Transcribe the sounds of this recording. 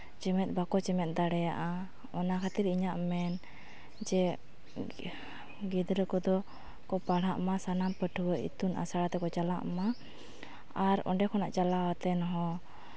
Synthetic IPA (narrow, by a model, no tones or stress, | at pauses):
t͡ʃɛmɛt̪̚bakɔt͡ʃɛmɛt̪̚ˀd̪aɽɛjaʔa | ɔnakʰat̪iɾiɲaʔmɛn | d͡ʒɛ | ɡid̪ɾəkɔd̪ɔ | kɔpaɽ̤aʔmasanampəʈʰuwəʔḭt̪una̰saɽat̪ɛkɔt͡ʃala̰ʔma | aɾɔ̰ɳɖɛkʰɔnaʔt͡ʃalawat̪ɛnɦɔ̃